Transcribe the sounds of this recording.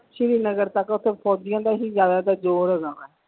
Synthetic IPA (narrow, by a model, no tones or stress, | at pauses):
ʃiɾiːnəɡəɾt̪əkʊt̪ʰːẽːpʰɔːd͡ʒɪjãːd̪aːɦiːzjaːd̪aːd̪aːd͡ʒoːɾəɡãmɛ